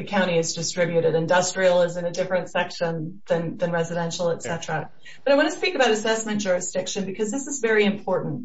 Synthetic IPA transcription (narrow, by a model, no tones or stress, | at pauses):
ɨkʰãʊ̃ɾ̃iɨzdɨstɹ̥ɪbjʉɾɨɾɨ̃ndʌstɹ̥il̩ˠɪzɨ̃nɨdɪfɹɨ̃ntsɛkʃə̃nðɨ̃nðɨ̃nɹɛzɨɾɛ̃nʃl̩ˠətsɛtɹ̥ə | bʌɾaɪwɑ̃ñɨspikəbaʊɾɨsɛsmɨ̃nd̥ʒ̥ʊɹɨsd̥ɪkʃɨ̃nbɨkʰʌzðɪsəzvɛɹiɨ̃mpʰɔɹʔn̩t̚